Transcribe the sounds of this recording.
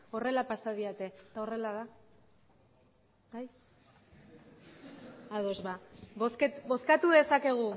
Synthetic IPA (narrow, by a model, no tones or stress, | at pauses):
o̞re̞lapasaðiat̪e̞t̪ao̞re̞laða | baj | aðo̞zβaboskebo̞skat̪uðe̞sake̞ɣ̞u